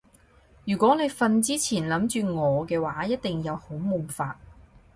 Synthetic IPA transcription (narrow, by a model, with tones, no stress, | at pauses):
jyː˨˩kʷɔː˨˥ne˨˧jfɐ˨˧nt͡siː˥t͡sʰiː˨˩nlɐ˨˥mt͡ʃyː˨˧ŋɔː˨˧kɛː˧waː˨˥jɐ˥t̚t̪ɪ˨ŋjɐ˨˧who˨˥wmʊ˨˩ŋfaː˧t̚